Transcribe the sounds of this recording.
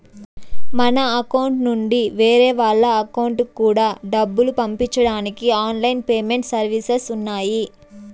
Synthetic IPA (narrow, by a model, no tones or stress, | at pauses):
mɐnɐːkɐwuɳʈnuɳɖiʋeːɾɛːʋaːɭːɐɐkɐwuɳʈkːuːɽaːɖɐbːulupɐmpiɲt͡ʃːɐɽaːnikiaːnlɐjinpeːme̞ɳʈsɐɾʋisesunːaːji